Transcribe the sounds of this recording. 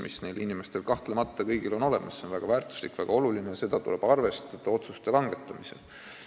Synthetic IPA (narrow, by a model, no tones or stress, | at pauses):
mʔisne̞jlinime̞st̪e̞lkɑht̪lemɑt̪ːɑkɤjɡilo̞no̞le̞̰mɑsːe̞o̞nvæɡ̥ɑvæːrt̪ˑu̥slikːˑvæɡ̥ɑo̞lulineɑse̞d̪̥ɑt̪ule̞b̥ɑrve̞st̪set̪ːˑɑo̞t̪sust̪elɑŋɡ̥e̞t̪ˑːɑmise̞̰l